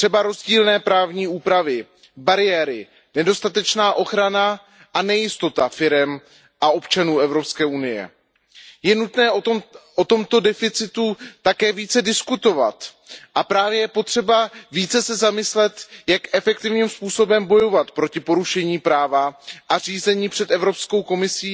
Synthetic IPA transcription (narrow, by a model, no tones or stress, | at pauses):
t̪r̥ɛbaɾo̞zɟiːlnɛːpɾaːvɲiːuːpɾavɪ | baɾɪjɛːɾɪ | nɛdo̞st̪at̪ɛt͡ʃnaːʔo̞xɾana | ʔanɛjɪst̪o̞t̪afɪɾɛm | ʔao̞pt͡ʃanuːɛvɾo̞pskɛːʔunɪjɛ̰ | jɛnut̪nɛːʔot̪o̞mt̪o̞dɛfɪt͡sɪt̪ut̪akɛːviːt͡sɛdɪskut̪o̞va̰t̪ | ʔapɾaːvjɛjɛpo̞t̪r̝̥ɛbaviːt͡sɛsɛzamɪslɛt̪jakʔɛfɛk̚t̪ɪvɲiːmspuːso̞bɛmbo̞jo̞vat̪pɾo̞cɪpo̞ɾuʃɛɲiːpɾaːvaʔar̝iːzɛɲiːpr̥ɛt̪ɛvɾo̞psko̞wko̞mɪsiː